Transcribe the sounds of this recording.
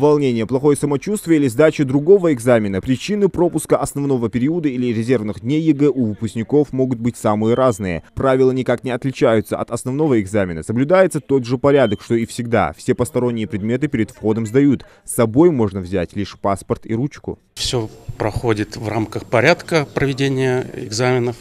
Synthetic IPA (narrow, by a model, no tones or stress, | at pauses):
vɐlˠnʲenʲɪjəplˠɐxo̞jəsəmɐt͡ɕust̪vʲɪjəilʲɪzd̪at͡ɕɪd̪ɾʊɡo̞vəɪɡzamʲɪnəpɾʲɪt͡ɕinɨpɾo̞pʊskəʔɐsnɐvno̞vəpʲɪɾʲiʊd̪əilʲɪɾʲɪzʲe̞rvnɨxd̪ʲnʲejːɪɡɛʔuvɨpʊsʲkʲnʲɪko̞fmo̞ɡʊt̪̚bɨtʲsamɨjəɾʔaznɨjə̰pɾavʲɪlˠənʲɪkaknʲɪɐt̪lʲɪt͡ɕæjʊt̪səɐ̰t̪ɐsnɐvno̞vəɪɡzamʲɪnəsəblʲʊd̪ajɪt̪sət̪o̞d̪ʐɨpɐɾʲad̪əkʂt̪oɪfsʲɪɡd̪a̰fsʲe̞pəst̪ɐɾo̞nʲːɪjəpɾʲɪd̪mʲet̪ɨpʲɪɾʲɪd̪fxo̞d̪əmzd̪ɐjut̪ | sːɐbo̞jmo̞ʐnəvzʲætʲlʲiʂpaspərt̪ḭɾut͡ɕkʊ̰ | fsʲopɾɐxodʲɪt̪vramkəxpɐɾʲat̪kəpɾəvʲɪdʲenʲɪjəɪ̰ɡzamʲɪnəf